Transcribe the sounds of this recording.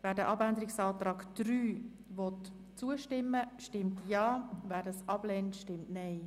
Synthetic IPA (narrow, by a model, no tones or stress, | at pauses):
vɛːdəʔɑbændəɾɪksɑːtɾɑːɡd̥ɾyː | vɔt | t͡suəʃtɪmːəʃtɪmtjɑːvɛːdɑsʔɑblɛːntʃtɪmtnɛɪ